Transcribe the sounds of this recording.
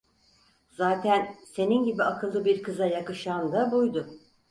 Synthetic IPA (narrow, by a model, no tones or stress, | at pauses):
z̥aːt̪ʰænse̞ninɟibiakʰɯlˠd̪ɯbiɾkʰɯzajakɯʃand̪abujd̪ʊ